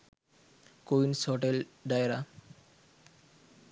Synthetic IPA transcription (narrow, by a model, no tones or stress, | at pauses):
koinsɔʈelɖajɾa